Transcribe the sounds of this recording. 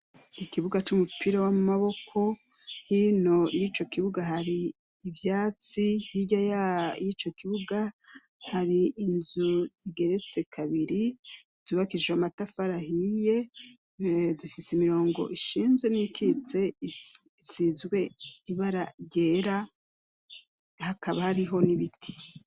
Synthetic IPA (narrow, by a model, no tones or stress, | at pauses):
ikiβuɡat͡ʃumupiɾawamumaβo̞kʰo̞ | hino̞jiːt͡ʃo̞kiβuɡaɦaɾiː | vjaːt͡sihiɟajajit͡ʃo̞kiβuɡa | haɾiːnzuz̥iɡe̞ɾe̞t͡se̞kʰaβiɾi | zuːβakiʒeamatafaɾahije̞ | zifisimiɾo̞ːŋɡo̞̰ʔiʃiːnzwe̞nikʰit͡se̞ | isiːzɡwe̞iβaɾaɟeːɾa | hakaβahaɾiɦo̞niβitʰi̥